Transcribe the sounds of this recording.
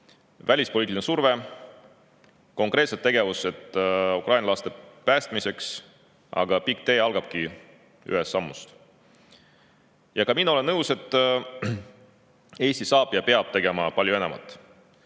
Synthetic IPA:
vælʲispo̞liːt̪insurve̞ | ko̞ŋkˑre̞t̪set̪ːe̞ɡe̞vuse̞t̪ˑːukrʔɑjnʲɑlɑst̪e̞pæːst̪mise̞ks | ʔɑ̰ɡ̥ɑpik̚ːt̪e̞ːɑlɡ̥ɑb̥̚ki | y̰est̪sɑmːṵst̪ | jɑkɑmino̞le̞nːɤwse̞t̪ːˑ | e̞ːsʲt̪isɑːb̥jɑpe̞ɑb̥̚t̪e̞ɡe̞mɑpɑlʲjue̞nemɑ̰t̪ːˑ

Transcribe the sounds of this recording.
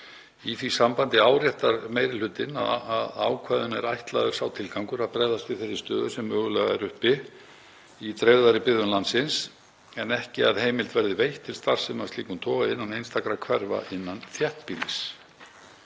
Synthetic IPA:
iθvisampant̪ɪaːwɾjɛht̪aɾmejɾɪlʏt̪ɪna̰ðaða̰ːwkʰvaːðʏnɛɾajht̪la̰ːðʏɾsawt̪ʰɪlkawŋkʏɾaðpɾɛðast̪ɪθɛsɪ̥st̪œːðʏ̥sɛmœːɣʏlɛɣaɛɾʏhpɪ | it̪ʰɾewðaɾɪpɪððʏnlant̪sɪns | ɛnɛhcɪaðhejmɪlt̪vɛɾðɪvejht̪ʰːɪlst̪aɾ̥r̥sɛmḁst̪iːkʏmt̪ʰɔːvaɪnːanejnst̪akɾakʰvɛɾva̰ʔɪnːanθjɛht̪piːlɪs

